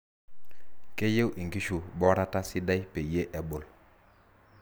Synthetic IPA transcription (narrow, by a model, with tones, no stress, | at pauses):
ke˦je˦wʔi˨ŋɡi˦ʃu˨bɔ˦ɾa˦ta˦si˦da˦jpe˨je˦ʔe˨bo˨l